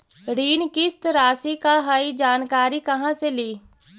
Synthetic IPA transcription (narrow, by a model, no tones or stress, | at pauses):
ɾiːnkɪst̪ɾaːsikaɦaid͡ʒaːnkaːɾikɐɦãseliː